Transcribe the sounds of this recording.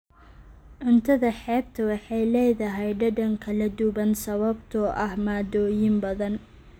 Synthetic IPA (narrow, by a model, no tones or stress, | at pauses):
ʕʊnt̪ʰɐðɐħɛːb̚t̪ʰɐwɑħɑjlɛːjðɐɦɛjɖɐɖɐŋkʰɐlɐd̪ʊβɐnsɐβɐbt̪ʰɔʔɐhmaːd̪ɔːjɪmbɐðɐn